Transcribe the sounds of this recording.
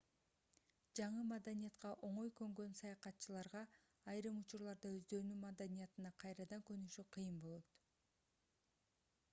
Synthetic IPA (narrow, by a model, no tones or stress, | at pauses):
d͡ʒɑɴɯmad̪anijɑt̪qɑʔo̞ɴo̞jkø̞ŋɡø̞nsɑjɑqɑt̪ːt͡ʃɯlˠɑɾʁɑː | jɾɯmut͡ʃuɾlˠɑɾd̪ɑøzd̪ø̞ɾynymad̪anʲijɑt̪ɯnɑqʰɑjɾɑd̪ɑŋkønyʃyqʰɯjɯmbo̞lˠot̪